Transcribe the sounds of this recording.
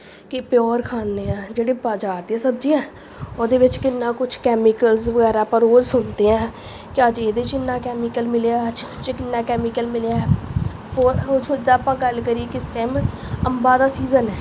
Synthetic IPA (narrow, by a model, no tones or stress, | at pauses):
kɪpjɔːɾkʰaːnːeːãːd͡ʒeːɽeːbaːd͡ʒaːɾd̪iɛ̃ːsəb̚d͡ʒiːãː | od̪eːʋɪt͡ʃkɪnːãːkʊt͡ʃʰkɛːmɪkəlzʋəɡɛːɾaːpəɾoːd͡ʒsʊnd̪eːɛ̃ː | kɪəd͡ʒeːd̪eːt͡ʃɪnːaːkɛːmɪikəlmɪleaəd͡ʒ | t͡ʃkɪnːaːkɛːmɪkəlmɪljaːɛː | oɾt͡ʃʰːd͡ʒd̪aːpãːɡəlkəɾiːekɪsʈɛːm | əmbaːd̪aːsiːzənɛː